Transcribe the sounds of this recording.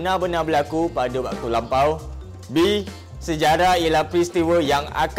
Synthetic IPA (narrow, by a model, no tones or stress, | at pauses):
nabənabəlakupadabaʔ̚t̪ulampaw | bi | səd͡ʒaɾaijəlahpɾist̪iwəjaŋa̰k